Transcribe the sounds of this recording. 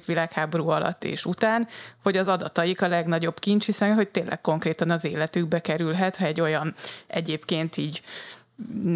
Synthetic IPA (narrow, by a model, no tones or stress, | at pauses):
kʋilaːkhaːbo̞ɾuːɒlʔɒ̰t̪ːḛːʃut̪aːnho̞ɟɒzɒd̪ɒt̪ɒjikɒlɛɡnɒɟo̞bkint͡ʃhisɛnɦo̞c̚t̪eːnlʔɛ̰k̚ko̞ŋkreːt̪ɒnɒzeːlɛt̪yɡbɛkɛɾylɦɛt̪hɒɛɟːo̞jɒnɛ̰ɟeːpkeːnt̪iːɟ